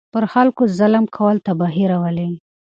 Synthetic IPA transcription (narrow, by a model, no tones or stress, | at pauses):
pəɾxalkozalamkʰawəlt̪abɑɦiɾawəli